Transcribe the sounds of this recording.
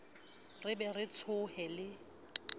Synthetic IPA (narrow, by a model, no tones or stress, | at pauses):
rɪbɛrɪt͡sʰʊhɛlɪ